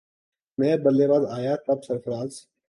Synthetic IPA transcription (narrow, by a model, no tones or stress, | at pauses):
mɛ̃ːbəlːeːbaːd̪aːjaːʈɐbsəɾfəɾaːz